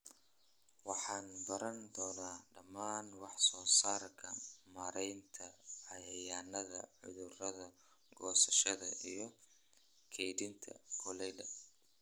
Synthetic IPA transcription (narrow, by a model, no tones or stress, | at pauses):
wɑħɑːnbɐɾɐnd̪ɔːnaːɖɐmːaːnwɑħsɔːsaːrkʰɐmɐɾɛjnt̪ʰɐɐjɐjaːnɐðɐ̰ʕʊ̰ðʊrɐðɐ | ɡɔːsɐʃɐðɐʔijɞ | kʰɛjdɪnt̪ʰɐ̰kʰʊlɛjdɐ